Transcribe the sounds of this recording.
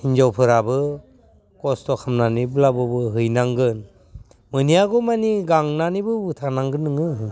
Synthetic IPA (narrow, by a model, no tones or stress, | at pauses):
hind͡ʒawpʰɯɾabɯ | kɔstɔkʰamnanibɯlabɔbɯɦɯjnaŋɡɯn | mɯnijaɡɔmaniɡaŋnanibɯbɯtʰanaŋɡɯnːɯŋɯ